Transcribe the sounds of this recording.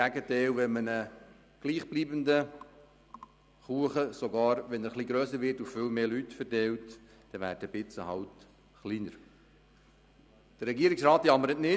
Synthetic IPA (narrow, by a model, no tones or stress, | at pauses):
æɡətɛɪlʋɛmənə | ɡ̥liːχb̥liːbəndə | χuəχəsoɡɑːɾʋɛnəɾχliːɡɾœːsəɾʋɪtuffɪlmeːlytfɛɾtɛlt | d̥ɛʋæ̰ːdəb̥ɪt͡səhɑwt | χliːnəɾ | d̥əɾɛɡiːɾɪksɾɑːtjɑməɾətnɪ